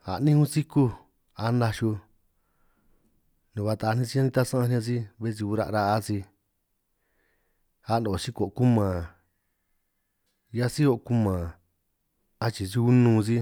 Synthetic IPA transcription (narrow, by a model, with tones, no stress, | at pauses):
a̰˨nĩ˦hũ˦si˦ku˦ | a˧˦nda˧ʃu˧ | nũ˨βa˧t̪a˨˦nĩ˧si˦ã˦nĩ˧t̪a˦sã˦ã˧ñ˧ã˧si˦βe˦s̬i˧u˧ɾa̰˧ʔɾa˧a˦si˧ | a˧˦ndõ˨si˦ko˨ʔku˦mã˨ | ja˦si˦o˧ku˦mã˨ | a˧t͡ʃi˧si˧u˦nũː˧si˦